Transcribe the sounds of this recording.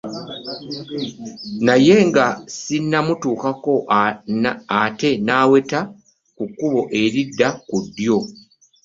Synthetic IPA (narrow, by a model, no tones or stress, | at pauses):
naje̞ŋɡasinːamutuːkako̞ | ate̞naːwe̞ta | kukːuβo̞ʔe̞ɾidːakudːjo̞